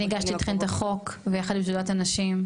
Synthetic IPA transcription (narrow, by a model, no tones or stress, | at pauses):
iɡaʃt̪itχent̪aχo̞kvejaχad̪lims̬udatanaʃim